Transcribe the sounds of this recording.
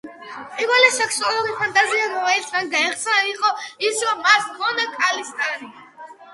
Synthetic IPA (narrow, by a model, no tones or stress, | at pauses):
pʼivɛlɛsɛkʰsualˠuɾipʰant̪ʼaziaɾɔvɛit̪ʰmanɡaɛχt̪sʰɛnaiqʼɔisɾɔmːasmɔnakʼalist̪ʼani